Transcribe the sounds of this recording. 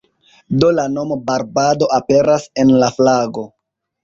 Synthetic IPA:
do̞lano̞mobaɾbado̞ʔape̞ɾase̞nlaflaɡo̞

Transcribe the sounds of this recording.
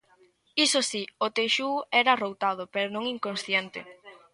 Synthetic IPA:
isosiot̪eʃuɛɾɐrowt̪að̞ʊpeɾonõŋiŋkõnsθjɛnt̪ɪ̰

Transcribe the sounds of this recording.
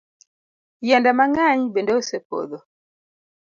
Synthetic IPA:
jandamaŋaɲibɛndaosɛpo̰ðɔ

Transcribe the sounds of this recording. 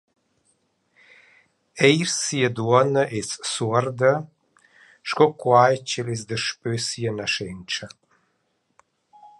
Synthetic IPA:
ejɾsiəd̪uɔnəʔesːuɔɾd̪ə | ʃkɔkwajt͡ʃəlesd̪əʃpøsiənaʃent͡ʃə

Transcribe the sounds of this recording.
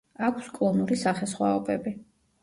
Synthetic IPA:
akʷʰskʼlˠɔnuɾisaχɛsχwaɔbɛbi

